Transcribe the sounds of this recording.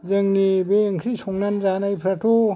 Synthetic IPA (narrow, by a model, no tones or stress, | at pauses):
zɯŋnibeŋsʰisɔŋnanzanajpʰɾatʰo